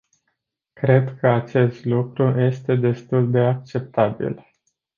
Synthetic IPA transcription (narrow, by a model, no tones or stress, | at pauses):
kɾe̞d̪kʰəat͡ʃe̞st̪lukɾuje̞st̪e̞d̪e̞st̪uld̪e̞ak̚t͡ʃe̞p̚t̪abḭl